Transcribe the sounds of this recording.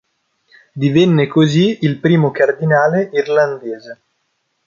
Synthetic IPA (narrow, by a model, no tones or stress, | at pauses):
d̪ivɛnːekoziilpɾiːmokard̪inaːleirland̪eːze